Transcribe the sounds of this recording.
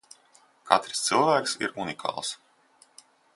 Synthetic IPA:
kʰa̰t̪ɾist̪sɨlˠvæːkʲsḭɾunikʰa̰ːlˠs

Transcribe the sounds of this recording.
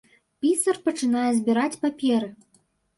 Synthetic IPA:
pʲit̪sɐrpɐt͡ʂɨnajɛzʲbʲiɾat͡sʲpapʲɛɾɨ

